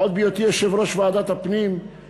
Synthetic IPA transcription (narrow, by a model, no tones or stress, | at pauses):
od̪̚bijot̪iɛʃevɾoʃvaaːd̪at̪hapnim